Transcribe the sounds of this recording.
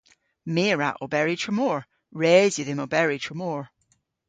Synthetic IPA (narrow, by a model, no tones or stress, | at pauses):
meːɹa̰ʔo̰bɛɹɪtʰɹəmoːɹ | ɹɛːzjəðɪmobɛɹɪtʰɹəmoːɹ